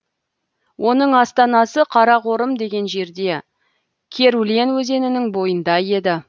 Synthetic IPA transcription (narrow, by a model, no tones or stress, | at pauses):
wʔo̞nəɴɑst̪ɑnɑsəqʰɑɾɑqo̞ɾəmd̪e̞ɡʲe̞nʒe̞ɾd̪e̞ | kʲʰe̞ɾulenwɵze̞nɪnɪŋbo̞jənd̪ɑje̞d̪ɪ